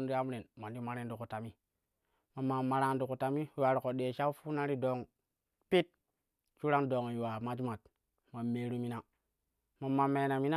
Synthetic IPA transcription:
n˦ɾi˦a˦m˦ɾe˨nma˨ndi˦ma˦ɾe˦n˦du˨ku˨ta˨mi˦ | ma˨mːa˨ma˨ɾa˨ndu˨ku˨ta˨mi˦˨wa˨ɾi˨ko˨ɗe˨ʃa˦u˦fu˦na˦ɾi˦do˨ŋ | pi˦t̚ | t͡ʃu˦ɾa˦ndo˨ŋ˨ju˨wa˨ma˦d͡ʒma˨t̚ | ma˨me˨ɾu˦mi˦na˦˨ | ma˨mːa˨me˨na˨mi˦na˦

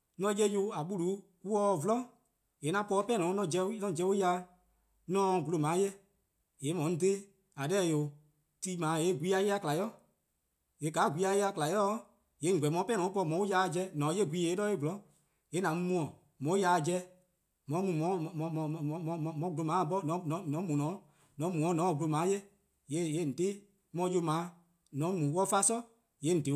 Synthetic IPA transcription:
nɔ̃˧˦je˧˦jo˧˦a˨ɓu˦lu˨˦ | ku˦ɔː˦vlɔ̃˦ | e˨˦nã˧˦pɔ˧˦pɛ˦nɔ̃ː˨˦nɔ̃˧˨d͡ʒɛ˧˦nɔ̃˧˦˨d͡ʒɛ˧˦o˦ja˧˦ | nɔ̃˦˧˨ɡu˧lo˨mãː˨˦jɛ˦ | e˨˦mɔ̃˨˦de˦ | a˨lɛː˦˨jo˨ | ti˦mãː˨˦e˨˦˨ɡʷi˦a˧˦je˦a˧˦kla˨jɔ˦ | e˨˦ɡa˨˦˨ɡʷiː˦a˧je˧˦a˧kla˨jɔ˦ | je˨˦˨ɡ͡bɛ˨mɔ̃˧˦pɛ˦nɔ̃˨˦pɔ˧˨mɔ̃˨˦u˦ja˧˦˧d͡ʒɛ˧˦nɔ̃˨˦e˦˨ɡʷiː˦e˨˦nɔ̃˦e˦ɡu˨lɔ̃˨˦ | e˨˦nã˨˦mũ˧mũ˧˦ɔ̃˨ | mɔ̃˨˦ja˧˦˧d͡ʒɛ˧˦ | mɔ̃˧˦mũ˨mɔ̃˨˦˨mɔ̃˨˧ɔ̃˧˨ɔ̃˨˧mɔ̃˨˧mɔ̃˨mɔ̃˧˦ɡu˧lo˧mãː˨˦˨bɔ˦nɔ̃˨˦nɔ̃˨˦nɔ̃˨˦mũ˨nɔ̃˨˦ | nɔ̃˨˦mũ˨ɔ̃˨˦nɔ̃˨˦˨ɡu˧o˧mãː˨˦je˦ | je˨˦˨je˦˨n̩˨deː˦ | mɔ̃˧˦jo˧˦mãː˨˦ | nɔ̃˨˦mũ˨˦wɔ˦fa˦sɔ˦ | je˨˦n̩˨de˨˦

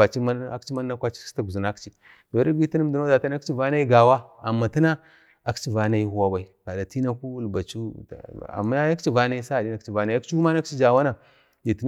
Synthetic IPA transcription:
a˨t͡ʃi˦ma˦a˦kt͡ʃi˦ma˦nː˦a˦kʷa˦t͡ʃi̥˦i̥˦ta˦ɡu˨zu˨na˦kt͡ʃi˦ | d̥o˨ɾi˦ɡi˦ti˦na˦m˨du˨no˦da˨ta˦na˦kt͡ʃi˦va˦na˦i˦ɡa˨wa˦a˨mːa˨ta˦na˦ | a˨kt͡ʃi˦va˨na˨˦i˦hu˦wa˦ba˨i˦˨ka˨da˨ti˦na˦ku˦lba˨t͡ʃṵ˦˨a̰˨mːa˦ja˦kt͡ʃi˦va˦na˦i˦sa˦a˨di˦na˨kt͡ʃi˦˨va˦na˨˦a˦kt͡ʃi˦u˦ma˦na˦kt͡ʃi˦d͡ʒa˨wa˦na˨ | i˨ti˦

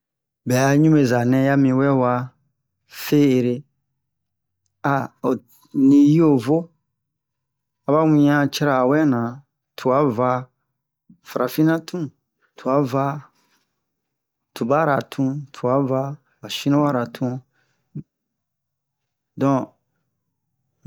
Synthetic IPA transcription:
bɛ˨a˨ɲũ˦me˨za˨nɛ̃˧˦ja˦mĩ˧wɛ˦wa˧ | fe˦e˨ɾe˧ | a˨o˨ | nĩ˧ji˦o˦˨vo˦ | a˧ba˦wĩ˧ã˦t͡ʃɛ˦ɾa˨wɛ˦nã˨ | tʰu˨a˨˦va˧˦ | fa˨ɾʔa˨fi˦nã˦tʰũ˦ | tʰu˨a˨˦va˦ | tu˨ba˦˨ɾa˨tʰũ˦tʰu˨a˨˦va˦ | wa˨ʃĩ˦nɔ̃˦wa˦ɾa˨tʰũ˧ | dɔ̃˦˨

